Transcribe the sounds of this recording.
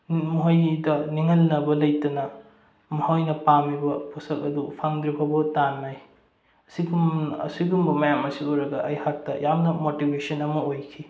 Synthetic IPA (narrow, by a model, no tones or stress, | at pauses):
muɦɐjdɐniŋɐlnɐbɐlɐjtɐnɐ | mɐhawjnɐpamibɐpʰusɐk̚ɐdupʰaŋdɾibʰabɐtanmaj | ɐsiɡumɐ̰siɡumbɐmɐjamɐsiojɾɐɡɐʔɐjhak̚tɐjamnɐmotibesɐnɐmɐojkʰi